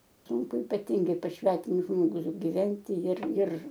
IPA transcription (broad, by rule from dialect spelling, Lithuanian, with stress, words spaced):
ˈsuːŋkʊ iːpɐˈtʲɪŋɡɐɪ pɐs ˈsʲʋʲæːtʲɪmʊs ˈʒmoːɡʊs ɡʲɪˈʋʲɛnʲtʲɪ jɪr ɪr